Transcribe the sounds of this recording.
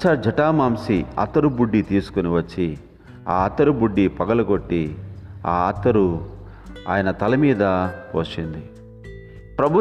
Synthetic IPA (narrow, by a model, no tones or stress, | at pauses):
t͡ʃɐd͡ʒɐʈaːmaːmsiɐ̰t̪ːɐɾubuɖːit̪iːsu̥kuniʋɐt͡ʃːi | a̰ːɐt̪ːɐɾubuɖːipɐɡɐlɐɡoʈːia̰ːɐt̪ːɐɾu | a̰ːjɐnɐt̪ɐlɐmiːd̪ɐpo̰ːʃind̪i | pɾɐbʱu